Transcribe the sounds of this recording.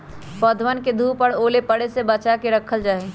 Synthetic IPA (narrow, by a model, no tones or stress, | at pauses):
pɔːd̪ʱʋənked̪ʱuːpəɽoːlepəɽesebət͡ʃakeɾəkʰəld͡ʒaːe